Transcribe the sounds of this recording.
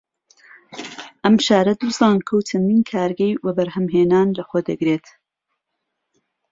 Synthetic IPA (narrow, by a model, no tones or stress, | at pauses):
ʔɐmʃaːɾɐd̪uzɑːnkʰɐwtʰɐnd̪iːnkʰaːɾɡɐjwɐbɐɾhɐmɦeːnaːnlɐxoːd̪ɐɡɾeːt̪